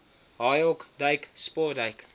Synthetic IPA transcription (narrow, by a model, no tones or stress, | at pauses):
ɦɑjɔkdɐjkspɔdɐjk